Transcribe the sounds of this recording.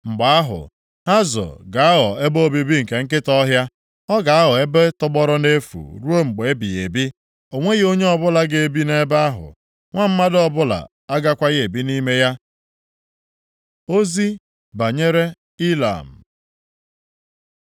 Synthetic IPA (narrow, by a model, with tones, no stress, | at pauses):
ŋ͡m̩˨ɡ͡ba˨a˦ɦʊ̰˨ | ha˦zɔ̰˨ɡa˨a˦ɦɔ̰˨e˦bo˦bi˨bi˦ŋ̩˨ke˨ŋ̩˦k̬ɪ˦tɔ˦ɦja˦ | ɔ˦ɡa˨a˦ɦɔ˨e˦be˦tʊ˦ɡ͡bɔ˦ɾʊ˦ne˦fṵ˨ɾu˦o˦ŋ͡m̩˨ɡ͡be˨e˦bi˨e˨bi˦ | o˨ŋʷe˦ɣo˦ɲe˦ɔ˦bʊ˦la˨ɡe˨bi˦ne˦ba˦a˦ɦʊ̰˨ | ŋʷa˦m̩˦ma˦dɔ˦bʊ˦la̰˨ | a˦ɡa˦kʷa˦ɣe˨bi˦ni˦me˦ja˦ | o˦zi˦ | ba˨ɲe˦ɾe˦ | i˦la̰˨m̩˨